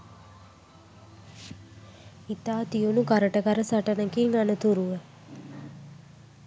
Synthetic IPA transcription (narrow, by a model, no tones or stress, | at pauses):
it̪aːt̪ijunukaɾəʈəɡaɾəsaʈənəkiŋanət̪uɾuʋə